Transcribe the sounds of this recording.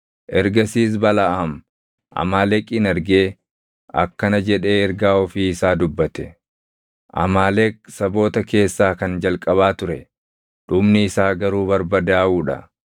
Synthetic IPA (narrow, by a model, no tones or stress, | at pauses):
ʔɛɾɡɐsiːs̬bɐlɐʔaːm | ʔɐ̰maːlɛkʼɪnɛɾɡe̞ː | ɐ̰kːɐnɐd͡ʒɛᶑe̞ːɛɾɡaːɔfiːɪsaːd̪ʊbːɐt̪ɛ | ʔɐ̰maːlɛksɐbo̞ːt̪ɐke̞ːsːaːkɐnd͡ʒɐlkʼɐβaːt̪ʊɾɛ | ᶑʊbnɪɪsaːɡɐɾuːbɐɾbɐd̪aːʔuːᶑɐ̰